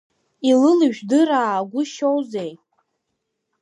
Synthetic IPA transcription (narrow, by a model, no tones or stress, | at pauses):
ilɨlɨʒᶣdɨɾaːɡʷʊʃowzej